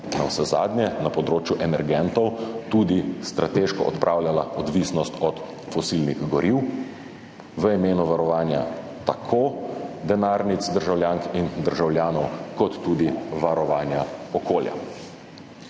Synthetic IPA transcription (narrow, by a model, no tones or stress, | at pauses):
na̰wsɛza̰ːd̪nʲjɛnapɔd̪ɾoːt͡ʃjuʔɛnɛɾɡɛnt̪ɔwt̪uːd̪ist̪ɾʔat̪eʃkɔʔɔ̰t̪pɾʔaːwlʲjalaɔd̪ʋisnɔst̪ɔt̪ | fɔsilniɣɡɔɾʔiw | ʋəimeːnuʋaɾɔʋaːnja̰ | t̪akʰoːd̪ɛnaːɾnit̪sd̪əɾʒawljaːŋkind̪əɾʒawljaːnɔwkɔt̪ːuːd̪iʋaɾɔʋaːnjaɔkoːlja̰